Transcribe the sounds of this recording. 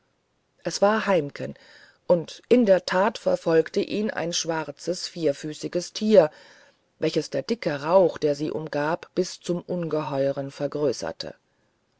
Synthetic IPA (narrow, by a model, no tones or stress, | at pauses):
ʔɛsv̥aːɐɦaɪmkʰən | ʔʊntʔɪndeːɐtʰaːtfɛɐfɔlktəʔiːnʔa̰ɪnʃv̥aʁt͡səsfiːɐfyːsɪɡəstʰiːɐ | vɛlçəsd̥eːɐd̥ɪkəʁaʊxd̥eːɐziːʔʊ̰mɡaːpb̥ɪst͡sʊmʔʊnɡəɦɔʏʁənfɛɐɡʁøːsɐ̰tʰə̰